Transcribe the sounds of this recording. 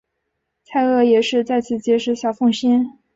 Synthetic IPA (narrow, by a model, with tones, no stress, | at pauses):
t͡sʰa˥˧ɪɤ˥˩jɛ˨˩ʂɻ̩˥˧t͡sa˥˧ɪt͡sʰɹ̩˥˩t͡ɕjɛ˧˥ʂɻ̩˧˥ɕjɑ˨˩ʊfʊ˥˩ŋɕi˥n